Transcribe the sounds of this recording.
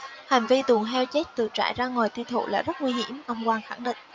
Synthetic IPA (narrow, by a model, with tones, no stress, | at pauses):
ha˨˩ŋ̟vi˧t̪u˨˩əŋt̪ʰɛ˧wt͡ɕe˦˥t̚t̪ɨ˨˩ək̚t͡ɕa̰ː˧˨jzaː˧ŋwaː˨˩jt̪wi˧wt̪ʰṵ˧˨la̰ː˨˩zə˦˥t̚ŋwi˧ɦi˧˩əmʔə˧wŋ͡mkwaː˧nxa˧˩ŋɗḭ̈˧˨ŋ̟